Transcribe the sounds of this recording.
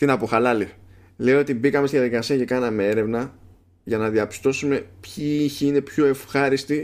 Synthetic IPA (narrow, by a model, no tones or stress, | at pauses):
t̪inɐpoxɐlɐli | le̞oo̞t̪ibikɐmest̪iðijɐðikɐsiɐce̞kɐnɐme̞e̞ɾe̞vnɐ | ʝɐnɐðiɐpi̥st̪o̞sume̞pçiiçiine̞pço̞e̞fxɐɾist̪i